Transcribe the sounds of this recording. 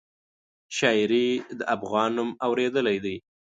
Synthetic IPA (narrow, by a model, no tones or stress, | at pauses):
ʃɑɪɾid̪əʔafɣɑnːumawɾed̪əlajd̪aj